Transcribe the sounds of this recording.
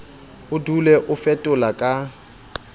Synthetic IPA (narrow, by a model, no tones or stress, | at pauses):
ʊdulɛʔʊfɛtʼʊlakʼa